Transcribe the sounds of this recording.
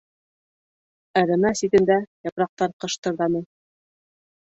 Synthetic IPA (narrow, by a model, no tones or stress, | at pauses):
ɤ̆ɾɤ̆nɑsit̪ɘ̆nd̪æjɑpɾɑq̚t̪ɑɾqɤ̆ʃt̪ɤ̆ɾðɑnɤ